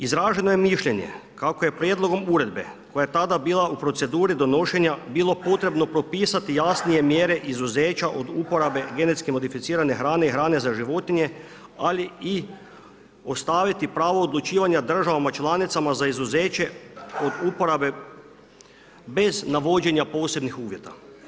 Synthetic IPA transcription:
izɾaːʒe̞nojemiʃʎe̞ɲe̞̰kakoje̞pɾjed̪lˠo̞ɡo̞muɾe̞d̪be̞̰ | ko̞jajet̪ad̪abiːlˠaʔupɾo̞t̪se̞d̪uːɾid̪o̞no̞ʃe̞ɲabiːlˠo̞po̞t̪ɾe̞bno̞pɾo̞piːsat̪ijasnije̞mjeːɾe̞ʔizuzeːt͡ʃaʔo̞d̪upo̞ɾabe̞ɡe̞net̪skimo̞d̪ifit̪siːɾane̞xɾaːne̞ixɾaːne̞zaʒiʋo̞t̪iɲe̞ | alii | o̞st̪aːʋit̪ipɾaːʋood̪lˠut͡ʃiːʋaɲad̪r̩ʒaʋamat͡ʃlˠanit̪samazaizuzeːt͡ʃe̞o̞d̪upo̞ɾabe̞ | be̞znaʋo̞d͡ʑe̞ɲapo̞ːse̞bnixuːʋje̞t̪a

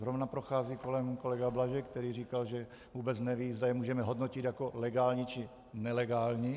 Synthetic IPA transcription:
zɦɾovnapɾoxaːziːko̞lɛmko̞lɛɡablaʒɛk̚t̪ɛɾiːriːkalʒɛ | vuːbɛt͡snɛviːzd̪ajɛmuːʒɛmɛɦo̞d̪nocɪt̪jako̞lɛɡaːlɲit͡ʃɪ | nɛlɛɡaːlɲi

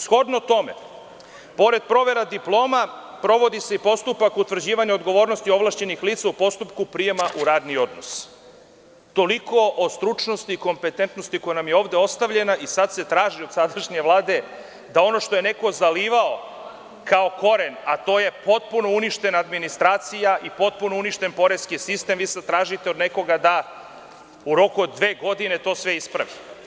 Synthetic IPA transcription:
sxo̞d̪not̪o̞me̞ | po̞ɾe̞d̪̚pɾo̞ʋe̞ɾad̪iplˠo̞ːma | pɾo̞ʋo̞d̪ise̞ipo̞st̪upakut̪vr̩d͡ʑiːʋaɲeo̞d̪ɡo̞ʋo̞ːɾno̞st̪io̞ʋlˠaʃt͡ɕe̞nixliːt̪saupo̞st̪upkupɾije̞maʔuɾaːd̪nio̞d̪no̞̰s | t̪o̞liko̞ʔost̪ɾut͡ʃno̞st̪iːko̞mpe̞t̪ent̪nost̪iko̞janamjeo̞ːʋd̪e̞o̞st̪aʋʎe̞naʔisad̪se̞t̪ɾaːʒiod̪sad̪aʃɲe̞ʋlˠaːd̪e̞ | d̪ao̞no̞ʃt̪o̞je̞ne̞ko̞zaliːʋao̞ | kao̞ko̞ɾenat̪o̞ːje̞po̞t̪̚puno̞uniʃt̪e̞naːd̪minist̪ɾaːt̪sijaʔipo̞t̪̚puno̞uniʃt̪e̞npo̞ɾeskisist̪e̞mʋiːsad̪t̪ɾaːʒit̪eod̪ne̞ko̞ɡad̪a | uɾo̞kuod̪ːʋe̞ːɡo̞d̪ine̞t̪o̞ːsʋeispɾaʋi

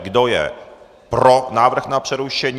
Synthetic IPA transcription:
ɡdojɛ̰ | pɾonaːvr̩xnapr̝̥ɛɾuʃɛɲ

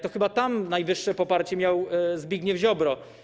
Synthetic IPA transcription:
t̪ɔxɘbat̪amnajvɘʂːɛpɔpaɾt͡ɕɛmʲjawzbʲiɡɲɛvʑɔbɾɔ

